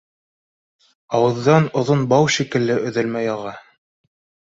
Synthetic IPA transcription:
ɑwɤ̆ðːɑnŏðonbɑwʃikɘ̆lːɘʔɵ̆ðɘlmæjɑʁɑ

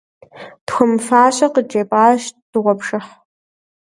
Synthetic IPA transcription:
d̥xʷɔmfaːɕʼɐqəd͡ʒeːpʼaːʃd̥ɨʁʷɔpʂɨħ

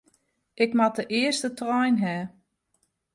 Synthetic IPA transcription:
ʔɪkmatəʔɪəstətrɔjnɦɛː

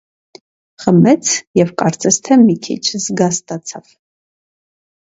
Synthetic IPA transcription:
χəmɛt͡sʰjɛvkʼɑɾt͡sʼɛst̪ʰɛmikʰḭt͡ʃʰzɡɑst̪ʼɑt͡sʰɑv̥

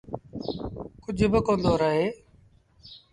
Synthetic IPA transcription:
kʊd͡ʒʱbɪkõːnd̪oːɾəɦeː

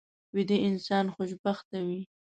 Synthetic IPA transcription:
wɪd̪eʔɪnsɑnxʊʃbaxt̪awi

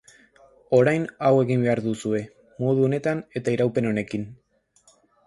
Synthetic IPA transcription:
o̞ɾajnawe̞ɣimbe̞aɾðusue̞ | mo̞ð̞uo̞ne̞t̪ane̞t̪aiɾawpe̞no̞ne̞kin

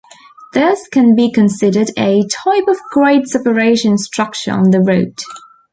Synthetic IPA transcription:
ðɪskə̃nbikʰə̃nsɪdədətʰaɪpəvɡɹeɪd̥sɛpəɹeɪʃə̃nstɹ̥ʌk̚t͡ʃə̰ɹə̰̃nðəɹoʊt

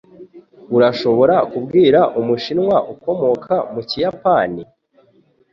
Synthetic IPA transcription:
uɾaʃo̞βo̞ɾakub̚ɡiːɾaʔumuʃinŋwaʔuko̞mo̞kʰamucijapani

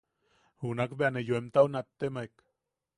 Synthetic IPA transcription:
hunakbeanejoemt̪aunat̪ːemaek

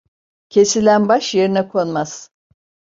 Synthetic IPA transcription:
cʰe̞silʲænbaʃjeɾinɛkʰo̞nmaz̥

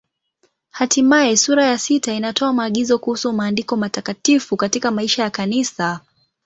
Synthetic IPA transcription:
hatimaɛsuɾajasitainatɔamaːɠizɔkuhusumaːndikɔmatakatifukatikamaiʃajakanisa

